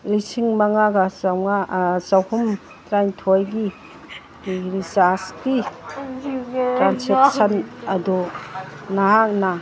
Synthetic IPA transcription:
lisiŋmaŋaɡasawŋasawhum | tɾajntʰojɡi | iɾisaski | tɾansek̚sɐnɐdu | naɦak̚na

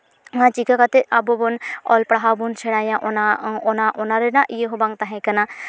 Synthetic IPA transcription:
ãt͡ʃikakat̪eʔabobonɔ̰lpɽaɦabunseɽajãʔonaonaʔonaɾenaʔijeɦobãŋɡt̪aɦẽkɐna

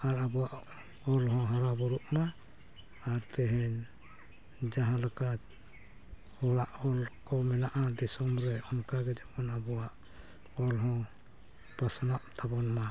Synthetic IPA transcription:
aɾabɔwaʔ | ɔlɦɔ̃ɦaɾabɔɾuʔmaː | ɾt̪ɛɦɛn | d͡ʒaɦãlɔka | hɔlaʔɔlkɔmɛnaʔad̪ɛsɔmɾɛɔŋkaɡɛd͡ʒɛɔnabɔwaʔ | ɔlɦɔ̃ | pasɔnaʔt̪ʰabɔnma

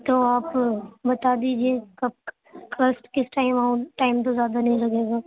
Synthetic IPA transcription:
t̪oaːpbɐt̪aːd̪iːd͡ʒiekɐb̚ | kɾəsʈkɪsʈaːɪmaũʈaːɪmt̪̬ozjaːd̪anɐɦĩlɐɡeːɡaː

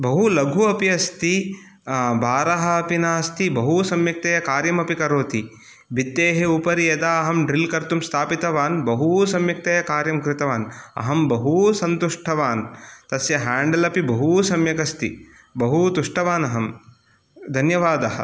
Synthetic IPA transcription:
bɐɦulɐɡʱuɐpiɐst̪i | baːɾɐɦɐɐpinaːst̪ibɐɦusɐmjɐk̚t̪ɐjɐkaːɾjɐmɐpikɐɾoːt̪i | bit̪ːeːɦeupɐɾijɐd̪aːɐɦɐmɖɾilkɐɾt̪umst̪ʰaːpit̪ɐʋaːnbɐɦusɐmjɐk̚t̪ɐjɐkaːɾjɐmkɾɪt̪ɐʋaːnɐ̰ɦɐmbɐɦusɐnt̪uʂʈʰɐʋaːnt̪ɐsjɐɦaːɳɖɐlɐpibɐɦusɐmjɐkɐst̪ḭ | bɐɦut̪uʂʈʰɐʋaːnɐɦɐm | d̪ʱɐnjɐʋaːd̪ɐɦɐ̰̆

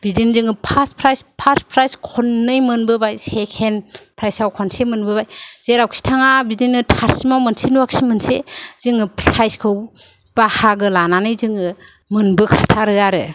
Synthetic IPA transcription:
bidinzɯŋɯpʰaspʰɾajspʰaspʰɾajskʰɔnːɯjmɯnbɯbajsekʰenpʰɾajsawkʰɔnsemɯnbɯbajz̥eɾawkʰi̥tʰaŋabidinɯtʰaɾsimawmɯnsinuwak̚simɯnsez̥ɯŋɯpʰɾajskʰɯwb̥ahaɡɯlananɯjzɯŋɯ | mɯnbɯkʰatʰaɾɯjaɾɯ

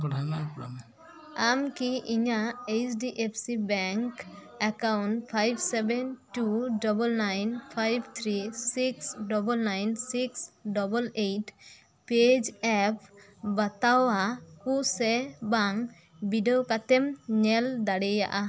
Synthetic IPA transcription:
kɔʈʰamapula̰mɛ | amkiʔiɲaet͡ʃɖiʔepʰsibɛŋk | ɛkawnpʰajbsɛbɛnʈuɖɔbɔlnajnpʰajbt̪ʰɾisiksɖɔbɔlnajnsiksɖɔbɔlejʈ | ped͡ʒɛp̚ʰ | bat̪aakusɛbaŋ | biɖɔwkat̪ɛmɲɛld̪aɽeja̰ʔa

